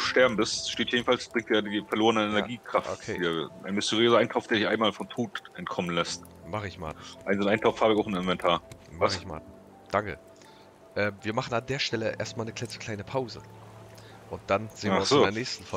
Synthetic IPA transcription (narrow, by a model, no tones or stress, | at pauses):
ʃtɛɐbm̩bɪstʃteːt̚jeːdn̩falsb̥ʁɪŋtːadiːfɛɐloːʁənəɛnɛɐɡiːkʁ̥afo̰kʰe̥ːiːɐʔa̰ɪnmʏstʰəʁiøːzɐʔaɪntʰaʊfd̥eːɐdɪçʔaɪnmaːlfɔntʰoːtʔɛntkʰɔmənlɛst | maχəɪçma̰ːtn̩ʔaɪnzonaɪntʰaʊfhaːbɪçaʊn̩ɪnvɛntʰaːɐmaɪçma̰ːtn̩ | d̥aŋkə̰ | ʔɛːmviːɐmaχn̩andeːɐʃtɛləʔḛɐstmaːlnəklɛt͡səkl̥aɪnəpʰaʊzə | ʔʊnt̚d̥anz̥eːnvɪɐʊnsoɪːdːɐnɛːçstn̩fɔ